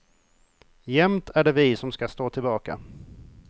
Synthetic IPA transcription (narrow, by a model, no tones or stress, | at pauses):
jɛmt̪ʰæɖɛvɪsɔmskast̪oːt̪ʰɪlbɑːka̰